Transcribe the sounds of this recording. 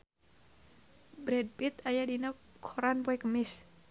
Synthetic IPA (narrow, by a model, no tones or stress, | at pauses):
bɾɛd̚bit̪ajadinakʰɔɾanpɔɛkəmɪs